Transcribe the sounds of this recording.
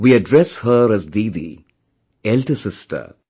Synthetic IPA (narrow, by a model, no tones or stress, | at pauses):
ʋiəɖɾɛshəɾæzd̪iːd̪ḭ | ɛlʈəsɪsʈʰə̰ɾ